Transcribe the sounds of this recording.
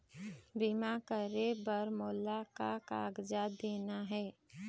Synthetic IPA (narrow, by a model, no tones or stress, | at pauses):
bimakəɾebəɾmoːlakakaːɡd͡ʒad̪eːnaɦɛː